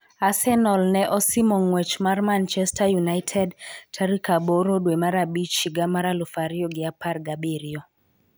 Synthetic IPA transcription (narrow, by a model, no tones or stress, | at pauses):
asɛnɔlnɛʔɔsimoŋwɛt͡ʃmarmant͡ʃɛstajunaɪtʰɛdtʰaɾikaboɾodwemaɾabit͡ʃiɡamaɾalufaɾioɡɪaparɡabeɾio